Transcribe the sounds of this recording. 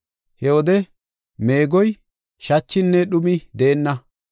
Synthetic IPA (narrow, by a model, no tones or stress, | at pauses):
hɛwɔd̪ɛ | me̞ːɡɔj | ʃɐt͡ʃːɪnːɛɗʊmɪd̪eːnːɐ